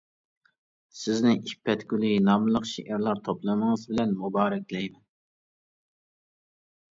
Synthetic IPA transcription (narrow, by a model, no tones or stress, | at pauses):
sɪznɪʔipʰːɛt̪kʲylinɑmɨlˠəqʃeʔæɾlˠɑɾt̪ʰoplˠɨnəŋəzbɪlɛnmubɑːɾɛkʲlɛjmɛn